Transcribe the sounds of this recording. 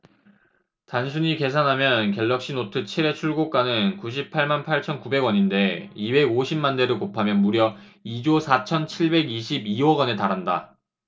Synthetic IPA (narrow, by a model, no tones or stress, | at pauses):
tansʰuɲike̞s̬ʰanɦamjʌnkjʌɭːʌk̚ɕ͈inotʰɯt͡ɕʰiɾe̞t͡ɕʰuɭɡok͈anɯnkuɕ̬ʰip̚pʰaɭmanpʰaɭt͡ɕʰʌnkube̞ɡwʌɲinde̞ibe̞ɡoɕʰimːande̞ɾɯkopʰamjʌnmuɾjʌid͡ʑosʰat͡ɕʰʌnt͡ɕʰiɭbe̞ɡiɕ̬ʰibiwʌɡʌnetaɾɦanda̰